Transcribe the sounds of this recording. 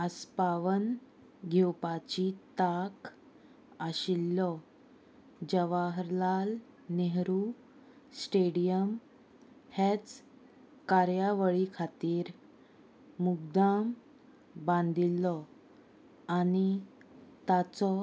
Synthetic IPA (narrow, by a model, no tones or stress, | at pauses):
əspaʋən | ɡʱewpat͡ɕit̪ak | aɕilːɔ | d͡ʑəʋaɦɾlal | neɦɾu | sʈeɽijəm | het͡s | kaɾjaʋəɭikʰat̪iːɾ | muɡd̪am | bãnd̪ilːɔ | ani | t̪at͡sɔ